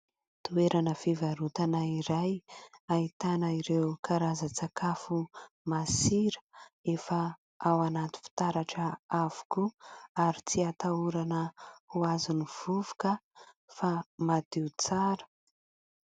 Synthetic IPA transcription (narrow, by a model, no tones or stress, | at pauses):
t̪ueɾʔanəfivaɾut̪anaiɾajait̪anəiɾewkʰaɾazat͡sakafu | masiɾə̥efə | awanat̪u̥fi̥t̪aɾaʈ͡ʂəavu̥kuaɾit͡siat̪auɾanəhuazuniv̥uvu̥kə | famad̪̥iut͡saɾə̥